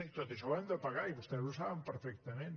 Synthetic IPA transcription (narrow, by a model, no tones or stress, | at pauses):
it̪oðeʃoand̪epaɣajβost̪ɛzlosaβẽmpeɾfɛkt̪ɐmẽnt̪